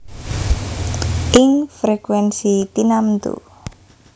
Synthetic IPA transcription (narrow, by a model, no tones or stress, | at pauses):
ʔɪŋfɾekwɛnsit̪inamt̪ṵ